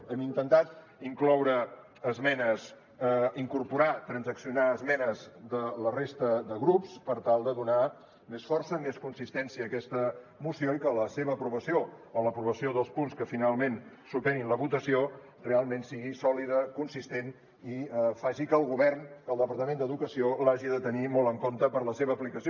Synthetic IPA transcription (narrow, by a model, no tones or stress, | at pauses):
ɛmint̪ənt̪at̪ | iŋklɔwɾə | əzmɛnəs | iŋkuɾpuɾat̪ɾənzəksiunaəzmɛnəzd̪ələrest̪əd̪əɣɾupspəɾt̪alˠd̪əðuna | mesfɔrsəmeskunsist̪ɛnsiəːkɛst̪əmusioikələseβəːpɾuβəsioələpɾuβəsioðəlˠspunskəfinalˠmensup̪ɛninləβut̪əsio | realˠmensiɣisɔliðəkunsist̪en | iəfaʒikəːlˠɣuβɛrnkəlˠd̪əpəɾt̪əmẽnd̪əðukəsiolaʒiðət̪ənimɔlˠtəŋkont̪əpəɾləseβəːplikəsio